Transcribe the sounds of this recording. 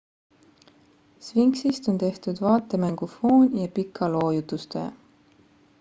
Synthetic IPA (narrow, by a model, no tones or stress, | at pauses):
sviŋksist̪o̞nt̪e̞ht̪ud̪vɑːt̪ːˑemæŋɡ̥ofoːnʲjɑpikʰːˑɑlo̞ːjut̪ust̪ḛː